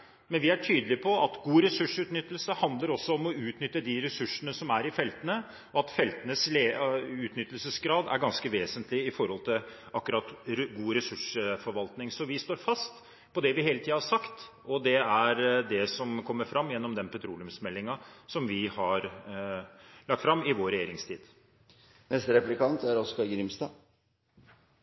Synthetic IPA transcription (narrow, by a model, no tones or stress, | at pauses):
mɛnʋɪæʈʰyːd̪əlɪpʰɔʔɑt̪ɡuːɾɛsʉʂʉːt̪nʏt̪ːəlsəhɑnd̪ləɾɔsːɔɔmɔʉːt̪nʏt̪ːəd̪ɪɾɛsʉʂːənəsɔmæɾɪfɛlt̪ənə | ɔɑt̪fɛlt̪ənəsleʉːt̪nʏt̪ːəlsəsɡɾɑːd̪æ̰ɾɡɑnskəʋeːsənt̪ʰlɪɪfɔɾhɔlt̪ʰɪlʔɑkːɾɑt̪ɡuːɾɛsʉʂəfɔɾʋɑlt̪nɪŋsɔʋɪst̪oːɾfɑst̪ | pʰɔd̪ɛʋɪheːlət̪ʰiːdɑhɑʂɑkt̪ | ɔd̪ɛæɾd̪ɛsɔmkʰɔmːəɾfɾɑmːjɛnːɔmd̪ɛnpʰɛt̪ʰɾuːlɪʉmsmɛlːɪŋɑsɔmʋɪhɑɾ | lɑk̚t̪fɾɑmːɪʋoːɾɛjeːɾɪŋst̪ʰḭːd̪ | nɛst̪əɾɛplɪkɑnt̪æɾɔskɑɾɡɾɪmst̪ɑː